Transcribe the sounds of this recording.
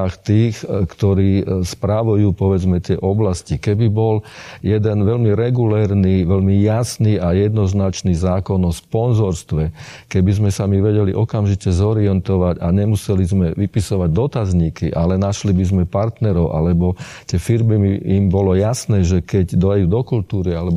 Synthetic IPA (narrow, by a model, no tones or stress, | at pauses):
xt̪iːxkt̪ɔɾiːspɾaʋujuːpɔʋɛd͡zmɛt̪ɪɛʔɔblascikɛbibɔljɛd̪ɛnʋɛlmiɾɛɡulɛːɾniʋɛlmijasniːʔajɛd̪nɔznat͡ʃniːzaːkɔnɔspɔnzɔɾst̪ʋɛkɛbizmɛsamiʋɛɟɛlḭʔɔkamʒicɛzɔɾiɛnt̪ɔʋaɟaɲɛmusɛlizmɛʋipisɔʋaɟd̪ɔt̪azɲikiʔalɛnaʃlibizmɛpaɾt̪nɛɾɔʊʔa̰lɛbɔ | t̪ɪɛfiɾmimiimbɔlɔjasnɛːʒɛkɛɟd̪ɔauːd̪ɔkult̪uːɾialɛb